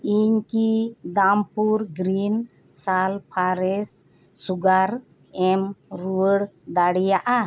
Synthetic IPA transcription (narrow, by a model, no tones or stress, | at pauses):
iɲkid̪ampuɾɡɾin | salpʰaɾɛsː | uɡaɾ | ɛmɾuəɽd̪aɽijaʔa